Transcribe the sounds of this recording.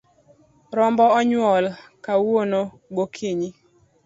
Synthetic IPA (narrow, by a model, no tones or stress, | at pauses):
ɾɔmbɔɔɲwɔlkawono | ɡokʰiɲi